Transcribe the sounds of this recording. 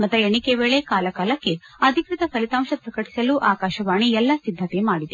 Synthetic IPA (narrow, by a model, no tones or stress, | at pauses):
mɐt̪ːɐeɳikeʋeːɭekaːlɐkaːlɐkːe̞ɐd̪ʱikɾit̪ɐsɐlit̪aːmʃɐpɾɐkɐʈi̥sɐluʔaːkaːʃɐʋaːɳiɛlːɐsid̪ʱːɐk̪emaːɽid̪e